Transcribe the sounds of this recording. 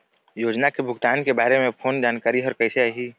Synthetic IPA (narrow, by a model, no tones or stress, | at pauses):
joːd͡ʒnakebʱʊɡt̪aːnkebaːɾemẽpʰoːnd͡ʒaːnkaːɾiɦɔːɾkɐɪseaːɦiː